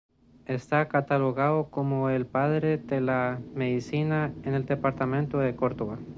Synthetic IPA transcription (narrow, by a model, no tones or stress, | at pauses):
e̞st̪akat̪alo̞ɣaðoko̞moe̞lpaðɾe̞ðe̞lame̞ðisinaene̞ld̪e̞paɾt̪amẽnt̪oðe̞ko̞ɾd̪oβa